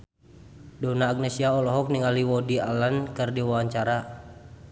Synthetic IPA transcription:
dɔnaːɡ̚nesiaɔlɔɦɔk̚niŋaliwɔdialankɨrdiwawaɲt͡ʃaɾa

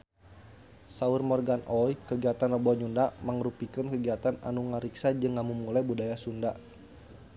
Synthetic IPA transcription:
saurmɔrɡanʔɔjkəɡiat̪anrəbɔɲundaməŋɾupikənkəɡiat̪ana̰nuŋaɾiksad͡ʒɨŋːamumulajbudajasunda

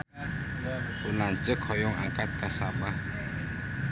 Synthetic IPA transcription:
unant͡ʃəkʰɔjɔŋʔaŋkat̪̚kasaba

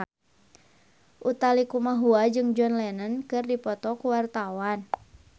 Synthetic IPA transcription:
ʔut̪alikumaɦuad͡ʒɨŋd͡ʒɔnlɛnənkɨrdipɔt̪ɔkuwart̪awan

